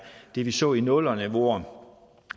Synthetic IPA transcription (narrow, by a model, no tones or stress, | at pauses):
d̥e̝ʋisɔ̰ːinɔlɐneʋo̝ɐ̰